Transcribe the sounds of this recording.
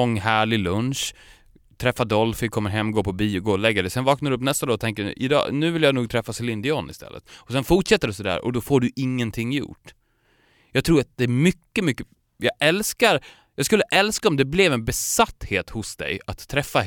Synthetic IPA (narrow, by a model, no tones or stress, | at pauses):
ɔŋːɦæːɭɪlɵnʂ | t̪ʰɾɛfːad̪ɔlfɪkʰɔmːəɾɦɛmːɡoːpʰɔbiːɔɡoːlɛɡːad̪ɛsɛnvɑːknaɾɵpnɛst̪ad̪oːɔt̪ʰɛŋkə̰ʔɪd̪ɑ̰ːnʉ̟ːvɪljaːnuːɡ̚t̪ʰɾɛfːaslɪnd̪ɪɔnɪ̰st̪ɛ̰lːə̰t̪ɔsɛnfʊʈʂɛt̪ːəɖɛsɔd̪æ̰ːɾʔɔ̰d̪ɔfoːɖɵʔɪŋːənt̪ʰɪŋːjʊ̰ʈː | jɑːɡ̚t̪ʰɾuːɾat̪̚d̪ɛːmʏkːəmʏkːə | jɑːʔɛlskaɾ | jɑːɡskɵlːəʔɛlskaɔmd̪ɛblɛvɛnbɛsat̪ːheːt̪hʊsd̪ɛ̰jat̪ʰːɾɛfːa